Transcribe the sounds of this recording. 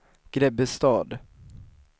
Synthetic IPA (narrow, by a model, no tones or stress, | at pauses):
ɡ̥ɾɛbəst̪ɑːd̪